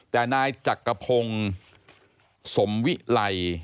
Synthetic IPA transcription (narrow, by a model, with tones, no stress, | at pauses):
t̪ɛː˨˩naː˧jt͡ɕa˨˩kːa˧pʰo˧ŋ | so˩˦mwi˦˥ʔla˧j